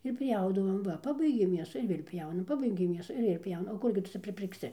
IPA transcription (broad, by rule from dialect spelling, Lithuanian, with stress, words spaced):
ɪr ˈpʲjɛʊdɐʋoːm ˈʋɐ ˈpɑːbɐɪɡʲeːm mʲeːsʊ ɪr ˈʋʲeːlʲ ˈpʲjɛʊnɐm ˈpɑːbɐɪɡʲeːm ˈmʲeːsʊ ɪr ˈʋʲeːlʲˈpʲjɛʊnɐ oː ˈkʊrʲɡʲɪ tʊ ˈt͡sʲɛ pʲrʲɪpʲɪrkˈsʲɪ